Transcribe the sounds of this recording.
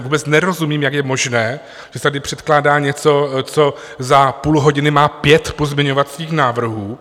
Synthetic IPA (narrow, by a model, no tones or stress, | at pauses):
vuːbɛt͡snɛɾo̞zumiːmjakjɛmo̞ʒnɛː | ʒ̥ɛt̪adɪpr̥ɛt̪klaːdaːɲɛt͡so̞t͡so̞ | zapuːlɦo̞ɟɪnɪmaːpjɛt̪pozmɪɲo̞vat̪st͡siːxnaːvr̩ɦuː